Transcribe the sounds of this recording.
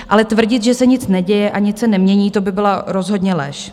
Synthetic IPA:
ʔalɛt̪vr̩ɟɪt̪ʒɛsɛɲɪt͡snɛɟɛjɛʔaɲɪt͡ssɛnɛmɲɛɲiːt̪o̞bɪbɪlaɾo̞zɦo̞dɲɛlɛʃ

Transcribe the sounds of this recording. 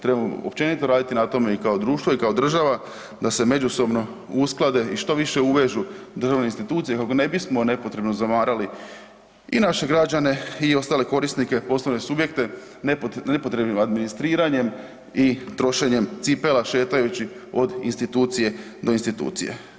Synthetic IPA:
t̪ɾebamo̰opt͡ɕe̞nit̪o̞ɾaːd̪it̪inat̪o̞me̞ikaod̪ɾuːʃt̪ʋo̞ikaod̪r̩ʒaʋa | d̪ase̞me̞d͡ʑuso̞bno̞ | usklˠad̪e̞iʃt̪o̞ʋiʃe̞uʋe̞ʒud̪r̩ʒaʋne̞inst̪it̪uːt̪sije̞kako̞ne̞bismo̞ne̞po̞t̪ɾe̞bno̞zamaːɾali | ḭnaʃe̞ɡɾad͡ʑane̞iost̪aːle̞ko̞ɾisnike̞po̞slˠoʋne̞subje̞k̚t̪e̞ | nepnepo̞t̪ɾe̞bnimad̪minist̪ɾiːɾaɲe̞m | it̪ɾo̞ʃe̞ɲe̞mt̪sipelaʃe̞ːt̪ajut͡ɕi | o̞d̪ḭnst̪it̪uːt̪sije̞d̪o̞inst̪it̪ṵːt̪sḭje̞̰

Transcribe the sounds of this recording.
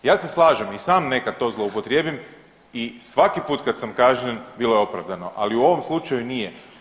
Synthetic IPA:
jaːse̞slˠaːʒemisaːmne̞kad̪̚t̪o̞zlˠo̞upo̞t̪ɾje̞ːbim | isʋakipuːt̪kat̪samkaːʒɲenbilo̞jeo̞pɾaʋd̪ano̞ʔaliuo̞ʋo̞mslˠut͡ʃajunije

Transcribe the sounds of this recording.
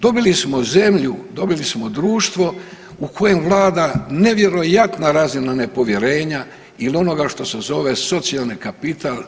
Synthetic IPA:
d̪o̞bilismo̞ze̞mʎud̪o̞bilismo̞d̪ɾuːʃt̪ʋo̞ | ukʰo̞je̞mʋlˠaːd̪ane̞ʋje̞ɾo̞jat̪naɾazinane̞po̞ʋje̞ɾe̞ːɲa | ilio̞no̞ɡaʃt̪o̞se̞zo̞ʋe̞so̞t̪sialˠnikapit̪al

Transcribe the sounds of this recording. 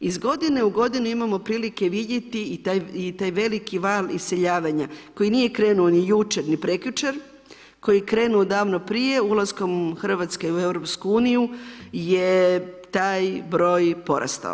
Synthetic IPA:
izɡo̞d̪ineuɡo̞d̪inuimamo̞pɾiːlike̞ʋid̪je̞t̪iit̪ajit̪aːjʋe̞likiʋalise̞ʎaːʋaɲako̞jinije̞kɾe̞ːnuonijut͡ʃe̞ɾnipɾekjut͡ʃeɾ | ko̞jikɾe̞ːnuod̪aːʋno̞pɾije̞ulˠasko̞mxr̩ʋat̪skeue̞ʋɾo̞pskuuːnijujet̪aːjbɾo̞ːjpo̞ɾʔa̰st̪a̰

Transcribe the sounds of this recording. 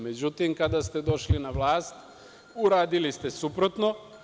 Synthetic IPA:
med͡ʑut̪imkad̪ast̪e̞d̪o̞ʃlinaʋlˠaːst̪ | uɾaːd̪ilist̪e̞supɾot̪no

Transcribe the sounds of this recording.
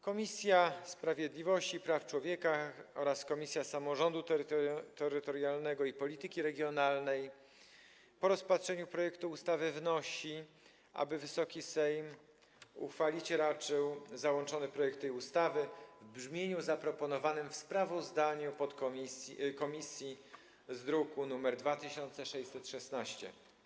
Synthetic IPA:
kɔmʲisʲjaspɾavʲjɛd̪lʲivɔɕt͡ɕipɾaft͡ʂwɔvʲjɛkaɔɾaskɔmʲisʲjasamɔʐɔnd̪ut̪t̪ɛɾɘt̪ɔɾjalnɛɡɔipɔlʲit̪ɘkʲiɾɛɡʲjɔnalnɛj | pɔɾɔspatʂɛɲupɾɔjɛkt̪uːst̪avɘvnɔɕi | ʔa̰bɘvɘsɔkʲisɛjm | ṵxfalʲit͡ɕɾat͡ʂɘwzawɔnt͡ʂɔnɘpɾɔjɛk̚t̪ɛjust̪avɘvbʐmʲjeɲuzapɾɔpɔnɔvanɘmfspɾavɔzd̪aɲupɔt̪kɔskɔmʲisʲji | zd̪ɾukunumɛɾd̪vat̪ɘɕɔnt̪sɛʂɛj̪sɛt̪ʂɛsnaɕt͡ɕɛ̰

